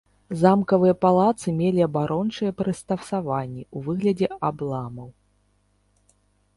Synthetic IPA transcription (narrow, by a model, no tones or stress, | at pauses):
zamkɐvɨjɐpalˠat̪sɨmʲelʲiɐbaɾɔnt͡ʂɨjɛpɾɨst̪afsavanʲːɛuvɨɣlʲɐd͡zʲɛablˠamɐw